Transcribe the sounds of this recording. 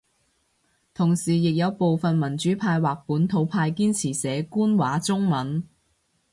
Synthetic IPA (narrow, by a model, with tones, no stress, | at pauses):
t̪ʰʊ˨˩ŋsiː˨˩jɪ˨k̚jɐ˨˧wpo˨wfɐ˨nmɐ˨˩nt͡ʃyː˨˥pʰaː˧jwaː˨k̚puː˨˥nt̪ʰo˨˧wpʰaː˧jkiː˥nt͡sʰiː˨˩sɛː˨˥kuː˥nwaː˨˥t͡sʊ˥ŋmɐ˨˥n